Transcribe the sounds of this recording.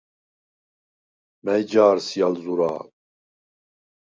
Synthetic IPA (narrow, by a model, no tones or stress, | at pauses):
mɛjd͡ʒaːɾsijalzuɾa̰ː